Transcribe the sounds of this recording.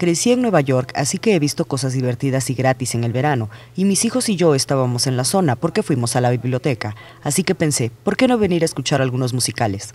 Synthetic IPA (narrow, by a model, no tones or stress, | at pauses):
kɾe̞sieŋnwe̞βaʝo̞ɾka̰sike̞eβist̪o̞ko̞sazðiβe̞ɾt̪iðasiɣɾat̪ise̞ŋe̞lβe̞ɾano̞ | imisixo̞siʝo̞e̞st̪aβamo̞se̞nlaso̞napo̞ɾke̞fwimo̞salaβiβljo̞t̪e̞kaː | sike̞pe̞nse̞po̞ɾke̞no̞βe̞niɾaeskut͡ʃaɾalɣuno̞zmusikale̞s